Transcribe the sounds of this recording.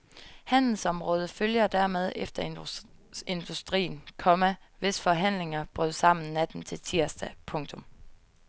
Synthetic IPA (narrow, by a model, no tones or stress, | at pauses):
hæn̰l̩sɒ̽mʁɔ̽ːð̞ˠəføljɐd̥æɐmeð̞ˠefd̥ɐ | e̝nd̥usd̥ʁḭːn̩kʰɒ̽mæʋe̝sfɒ̽ɦæn̰le̝ŋɐb̥ʁœð̰ˠsɑ̈m̰n̩næd̥n̩t͡sʰe̝lt͡sʰiɐ̰sd̥æpʰɔ̽ŋt͡sʰɔ̽m